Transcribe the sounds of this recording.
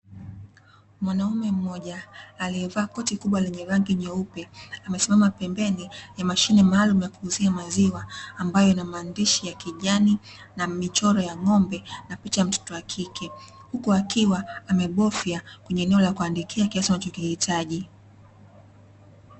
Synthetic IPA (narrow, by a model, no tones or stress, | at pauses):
mwanaumɛm̩mɔʄaːliɛvaːkɔtikuɓwalɛɲɛɾaŋɡiɲɛupɛamɛsimamapɛmbɛnijamaʃinɛmaːlumujakuhuziamaziwaːmbajɔnamaːndiʃijakiʄani | namit͡ʃɔɾɔjaŋɔmbɛnapit͡ʃam̩tɔ̥tɔakʰikʰɛ | hukuakiwaːmɛɓɔfjakwɛɲɛːnɛɔlakuandikʰiakiasianat͡ʃɔkihitʰaʄi